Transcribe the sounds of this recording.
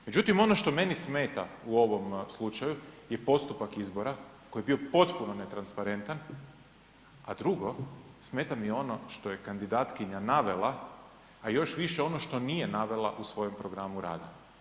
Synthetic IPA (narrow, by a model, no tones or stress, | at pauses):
me̞d͡ʑut̪imo̞no̞ʃt̪o̞me̞nisme̞ːt̪auo̞ʋo̞mslˠut͡ʃajuje̞po̞st̪upakizbo̞ɾako̞jebio̞po̞t̪puno̞ne̞t̪ɾanspaɾe̞nt̪an | ad̪ɾuɡo̞sme̞ːt̪amijo̞no̞ʃt̪o̞je̞kand̪id̪aːt̪kiɲanaʋe̞lˠaː | jo̞ʃʋiʃe̞o̞noʃt̪o̞nije̞naʋe̞lˠa̰ʔusʋo̞je̞mpɾo̞ɡɾamuɾa̰ːd̪a